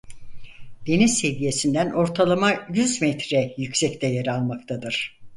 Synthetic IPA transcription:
d̪̥e̞nizse̞dije̞sind̪ænʔo̞ɾt̪ʰalˠamajyzmɛt̪ɾɛjycsɛct̪ʰɛjaɾalˠmak̚t̪ʰad̪ɯɾ̥

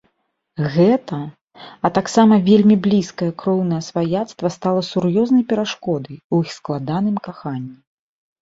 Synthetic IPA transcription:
ɣɛt̪ɐ | ɐt̪aksamɐvʲelʲmʲiblʲiskɐjɐkɾɔwnɐjɐsvajat̪st̪vɐst̪alˠɐsuɾjɔznɐjpʲɛɾaʂkɔd̪ɐjuixsklˠad̪anɨmkaxanʲːi

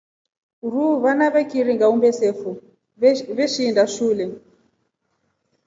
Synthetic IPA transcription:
ruβanaβɛkiɾiŋɡaumbɛsefu | βɛʃiːndaʃuːlɛ

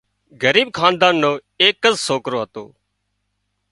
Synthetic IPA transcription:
ɡəɾiːb̚kʰãːnd̪aːnːõː | eːkːəzsoːkɾoːɦət̪o̰ː

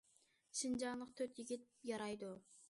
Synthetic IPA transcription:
ʃɨnd͡ʒɑːnˠəq̚t̪ʰøɾt̪jiɡʲit̪̚jɑɾɑjd̪u

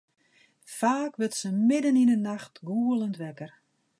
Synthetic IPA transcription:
faːkʋɪtsəmɪdəninənaxtɡuːəlˠəntʋɛkər

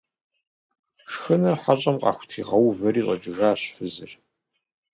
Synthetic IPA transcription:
ʂxɨnɐrħaɕʼɐmqʼɑ̰ːxʷʊ̥tʰiːʁɐwvɐɾiːɕʼɐt͡ʃʼɪʒaːɕfɨzɨr

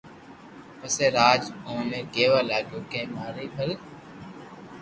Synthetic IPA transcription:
pəseːɾaːd͡ʒõːneːɡeːʋaːlaːɡoːkẽːmaːɾiːpʰəl

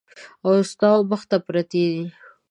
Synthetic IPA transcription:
awst̪ɑwbaxt̪apɾat̪ed̪i

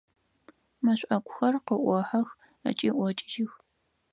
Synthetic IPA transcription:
mɐɕʷʼʔɐkʷʰʼʊxɐrqəʔʷɔħɐx | ɐ̰t͡ʃʼiːʔʷɔt͡ʃʼɪʒɪx

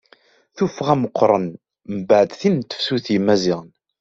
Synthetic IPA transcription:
θufəʁæməqʰːɾˤən | məbəʕəd̪θint̪ːə̥fsuθjəmːæziʁn

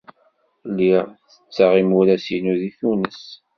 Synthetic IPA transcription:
lːiʁθət͡sːəʁimuɾæsinuðiθunəs

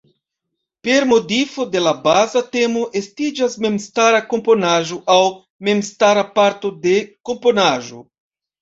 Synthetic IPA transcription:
pe̞ɾmo̞difo̞de̞labazate̞mo̞ʔe̞stid͡ʒasme̞mstaɾako̞mpo̞naʒo̞ʔaw | me̞mstaɾapaɾto̞de̞ko̞mpo̞naʒo̞̰

